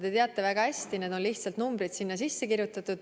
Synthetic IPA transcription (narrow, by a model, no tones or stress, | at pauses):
t̪e̞t̪e̞ɑt̪ˑːe̞væɡɑæsʲt̪ine̞d̪̥o̞nliht̪sɑlt̪numbɾid̪̥sinːɑs̬isːe̞kiɾjut̪ːˑɑt̪ːud̪̥